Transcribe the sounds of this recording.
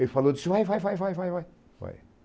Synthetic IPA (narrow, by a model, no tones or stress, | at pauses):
efɐlˠod̪ɨsvajvajvajvajvajvaj | va̰j